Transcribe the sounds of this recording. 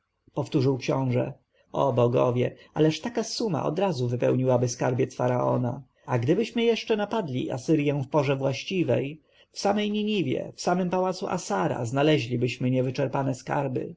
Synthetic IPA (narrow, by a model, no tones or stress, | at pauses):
pɔft̪uʐɘwkɕɔ̃w̃ʐɛ̰ | ɔbɔɡɔ̰vʲjɛa̰lɛʂt̪akasuma̰ʔɔ̰d̪ɾazuvɘpɛwɲiwabɘskaɾbʲjɛt̪sfaɾaɔ̰na | aɡd̪ɘbɘɕmɘjɛʂt͡ʂɛnapad̪lʲiʔa̰sɘɾjɛw̃fpɔʐɛvwaɕt͡ɕivɛ̰j | fsamɛjɲiɲivʲjɛ̰fsamɘmpawat̪suʔa̰saɾa̰znalɛʑlʲibɘɕmɘɲɛvɘt͡ʂɛɾpanɛska̰ɾbɘ̰